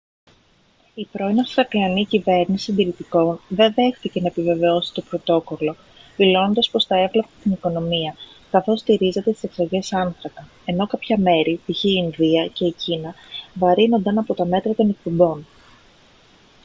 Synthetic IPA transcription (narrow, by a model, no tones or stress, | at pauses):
ipɾo̞inɐfɾɐklɐnicive̞ɾnissind̪iɾit̪iko̞nðe̞nðe̞xθice̞nɐepive̞ve̞o̞si̥t̪opɾo̞t̪o̞ko̞lo̞ | vilo̞no̞nd̪ɐspo̞sθɐe̞vlɐpe̥st̪iniko̞no̞miɐ | kɐθo̞st̪iɾize̞t̪et̪i̥seksɐɾʝe̞sɐnθɾɐkɐ | e̞no̞kɐpçɐme̞ɾit̪içiːnðiɐce̞icinɐvɐɾino̞nd̪ɐnɐpo̞t̪ɐme̞t̪ɾɐt̪o̞ne̞k̚pobo̞n